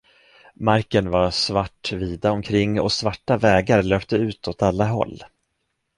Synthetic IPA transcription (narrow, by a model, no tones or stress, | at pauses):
maɾkənvaɾsvaʈːviːd̪aɔmkʰɾɪŋːɔ̰svaʈːavɛːɡaɾløːpt̪əʉ̟ːt̪ʰɔt̪alːaɦɔ̰lː